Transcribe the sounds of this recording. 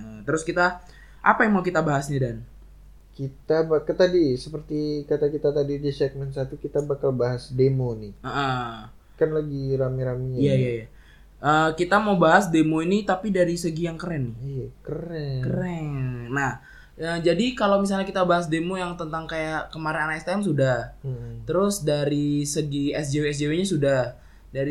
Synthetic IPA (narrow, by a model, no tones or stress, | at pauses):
ʔət̪əɾʊskit̪a | ʔapajaŋmaukit̪abaɦasɲadan | kit̪abakət̪adisəpərt̪ikat̪akit̪at̪adidit͡ʃɛk̚mɛnsat̪ukit̪abakalbaɦasdemoniəʔə | kanlaɡiɾamiɾamijaijaja | ʔəkit̪amawbaɦasdemoinit̪apidaɾisəɡijaŋkəɾɛnːɪhijakəɾɛkəɾɛnah | əːd͡ʒadikalawmis̬alɲakit̪abaɦas̬demojaŋt̪ənt̪aŋkajakəmaɾɪnanaɛst̪ɛɛmsudahm̩t̪əɾʊsdaɾisəɡiɛs̬d͡ʒeweɛs̬d͡ʒeweɲasudah | daɾi